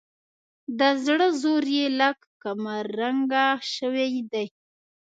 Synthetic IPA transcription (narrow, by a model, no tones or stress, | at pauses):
d̪əzɽəzoɾjelakkamaɾaŋɡaʃəwejd̪aj